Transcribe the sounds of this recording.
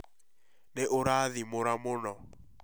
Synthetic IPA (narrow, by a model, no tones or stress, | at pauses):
neʔʊɾaðimʊɾamʊnɔ